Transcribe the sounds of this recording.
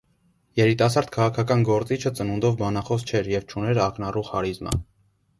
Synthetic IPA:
jɛɾit̪ɑs̬ɑɾd̪̥kʰɑʁɑkʰɑkɑnɡɔɾt͡sit͡ʃʰət͡sənund̪ɔvbɑnɑχɔst͡ʃʰɛɾjɛvt͡ʃʰunɛɾɑknɑruʁhɑɾizmə̰

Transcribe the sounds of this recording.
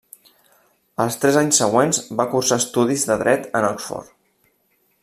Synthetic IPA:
əlˠst̪ɾɛzaɲsːəɣ̞wenzbakursaːst̪uðizðəðɾɛt̪ənɔksfɔ̰ɾ

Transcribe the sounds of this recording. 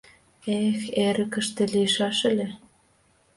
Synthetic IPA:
exeɾə̆kə̆ʃt̪ĕliʃɑʃĕlʲe

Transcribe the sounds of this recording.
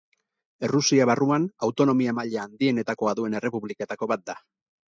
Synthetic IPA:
e̞rusiaβaruanawt̪o̞no̞miamaʎeand̪ie̞ne̞t̪ako̞aðue̞ne̞re̞puβlike̞t̪ako̞βat̪̚d̪a

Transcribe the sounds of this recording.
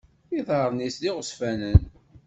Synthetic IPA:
iðˤəɾˤnisliʁəsfænən

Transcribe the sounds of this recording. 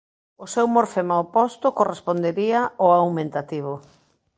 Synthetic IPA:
ʊsewmoɾfemaopɔst̪ʊkorespond̪eɾiaoawmẽnt̪at̪iβʊ

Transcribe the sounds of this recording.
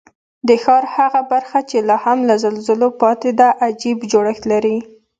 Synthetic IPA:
d̪əxɑɾhaɣabaɾxat͡ʃelɑhamlazalzəlopɑt̪ed̪aʔad͡ʒibd͡ʒoɽəxt̪laɾi

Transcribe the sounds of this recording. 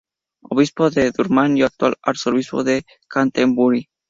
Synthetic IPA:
oβispoðeðuɾmanjoak̚t̪wa̰laɾsoɾβispoðe | kant̪embuɾi

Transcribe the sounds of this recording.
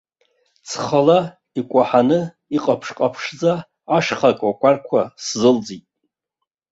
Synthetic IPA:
t͡sʰχalḁ | ikʷʼaħanɨ | iqʼapʰʂqʼapʰʂd͡zaː | ʂχakʼakʷʼarkʷʰaszɨld͡zitʼ

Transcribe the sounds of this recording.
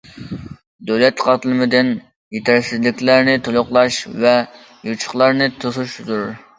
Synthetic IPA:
d̪øwlɛt̪qʰɑt̪ɨlˠɨmɪd̪ɪn | jet̪ʰɪɾsɪzlɪkʲlæɾnɪt̪ʰolˠʊχlˠɑʃvɛ | jut͡ʃʰʊ̥χlˠɑɾnɨt̪ʰosuʃzuɾ

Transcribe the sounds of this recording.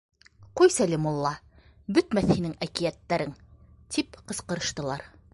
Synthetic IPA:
qujsælɘmulˠːɑ | bɵt̪mæθhinɘŋækijæt̪ːæɾɘŋ | t̪ʰipqɤ̆sqɤ̆ɾɤ̆ʃt̪ɤ̆lˠɑɾ

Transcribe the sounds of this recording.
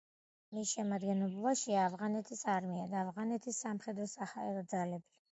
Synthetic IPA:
misʃɛmad̪ɡɛnɔblˠaʃiaːvʁanɛt̪ʰisaɾmiad̪aːvʁanɛt̪ʰisːamχɛd̪ɾɔsahaɛɾɔd̪zalɛbi

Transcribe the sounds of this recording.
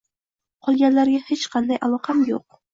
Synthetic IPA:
qʰɒlˠɡʲanlaɾɡʲahet͡ʃqʰɑnd̪ajʔalˠɒqʰɑmjo̰q̚

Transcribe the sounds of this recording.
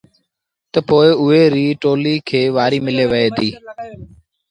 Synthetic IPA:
t̪əpoːɪʊɦeːɾiːʈoːliːkʰeːʋaːɾiːmɪleːʋəɦeːd̪iː

